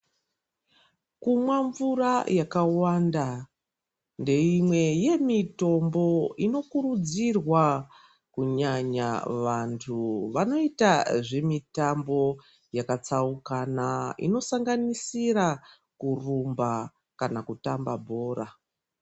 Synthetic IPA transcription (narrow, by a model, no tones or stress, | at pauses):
kumwaɱvurajakawanda | nde̞imwe̞je̞mito̞mbo̞ino̞kuɾud͡zirwa | kuɲaɲa̰ʋantʰuʋano̞itaʐe̞mitambo̞ | jakat͡saukanaḭno̞saŋɡanisiɾa | kurumba | kanakutambabʱo̞ːra